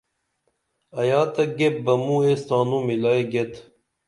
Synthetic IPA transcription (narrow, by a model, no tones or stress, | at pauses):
ɐjaːt̪ɐɡep̚bɐmuest̪aːnuːmilaːeɡet̪